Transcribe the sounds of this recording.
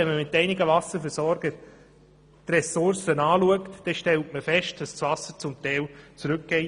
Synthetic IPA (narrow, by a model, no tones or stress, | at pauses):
ɛnməmɪtɛɪnɪɡəvɑsəɾfəɾsɔɾɡ̥ə | trɛsʊɾsənɑːluəktd̥ɛʃtɛltməfɛʃt̚d̥ɑssvɑsəɾt͡sʊmt̪ɛɪlt͡sɾʉk̚ɡ̥ɛɪ